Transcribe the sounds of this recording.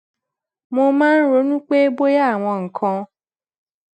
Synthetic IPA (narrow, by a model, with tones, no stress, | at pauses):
mo˧mãː˦n̩˦ɾo˨˦nũ˦k͡pe˦bo˦ja˦˨w̃ɔ̃˧ŋ̩˨kʰã˧